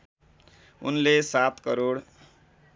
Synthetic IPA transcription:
ṵnlesat̪kʌɾoɽ

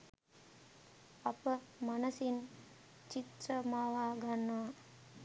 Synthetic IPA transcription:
apə | manəsin | t͡ʃit̪ɾəmaːʋaːɡanːəʋa

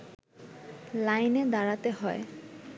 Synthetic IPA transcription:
lajned̪aɽat̪eɦɔe

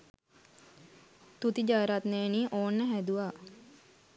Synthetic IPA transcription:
t̪ut̪id͡ʒaɾat̪neːniːʔoːnːəɦæd̪uʋaː

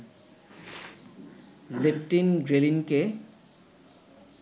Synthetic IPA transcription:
leptinɡɹelinke

